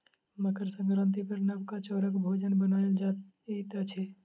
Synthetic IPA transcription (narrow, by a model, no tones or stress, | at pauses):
məkəɾsə̃ŋɡɾə̃nt̪ipəɾnəbkat͡ʃɔːɾəkbʱoːd͡ʒənbənaːeld͡ʒa | it̪at͡ʃʰe